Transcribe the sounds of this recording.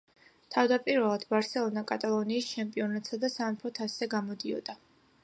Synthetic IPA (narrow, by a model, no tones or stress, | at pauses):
t̪ʰavd̪apʼiɾvɛlˠad̪baɾsɛlˠɔnakʼat̪ʼalˠɔniːst͡ʃʰɛmpʼiɔnat̪ʼsad̪asanpʰɔt̪ʰasɛɡamɔd̪iɔ̰d̪̥a